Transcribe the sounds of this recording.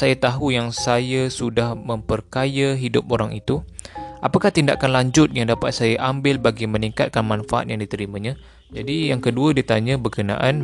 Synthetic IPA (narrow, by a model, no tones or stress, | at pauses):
sajat̪aɦujaŋsajasudahmə̃mpərkajaɦidʊp̚oɾaŋit̪uʔapakaht̪inda̰ʔkanlaɲd͡ʒʊt̪̚jaŋdapat̪̚sajaʔambɪlbaɡimə̃niŋkat̪̚kanmãnfaʔa̰t̪̚jaŋdit̪əɾimãɲã | d͡ʒadijaŋkəduadit̪aɲãbəkənã̰ʔan